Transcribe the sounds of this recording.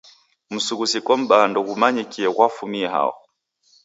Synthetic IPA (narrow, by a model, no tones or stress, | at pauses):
m̩suɣusikɔm̩ɓandɔɣumaɲɛkiɛkwafumiɛɦa̰ɔ̰